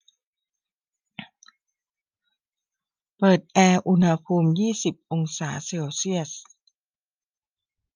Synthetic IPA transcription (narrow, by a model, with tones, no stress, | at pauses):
pɤː˨˩t̪̚ʔɛː˧ʔu˧nha˧pʰuː˧mjiː˥˩si˨˩p̚ʔo˧ŋsaː˩˦seː˧wsi˥˩əs